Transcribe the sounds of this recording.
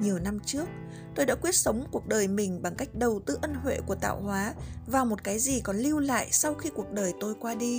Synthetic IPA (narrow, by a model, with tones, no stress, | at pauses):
ɲi˨˩əwna˧mt͡ɕɨ˦˥ək̚ | t̪o˧jɗa̰ː˧˥kwi˦˥ət̚sə˨˦wŋ͡mku˨˩ək̚ɗəː˨˩jmï˨˩ŋ̟ɓa˨˩ŋka˦˥jk̟̚ɗə˨˩wt̪ɨ̰˧˦ʔə˧nɦwḛ˧˨ku˧˩ət̪a̰ː˧˨whwaː˨˦vaː˨˩mo˨˩t̚kaː˨˦jzi˨˩kɔ˨˦nli˧wla̰ː˧˨jsa˧wxi˧ku˨˩ək̚ɗəː˨˩jt̪o˧jkwaː˧ɗi˧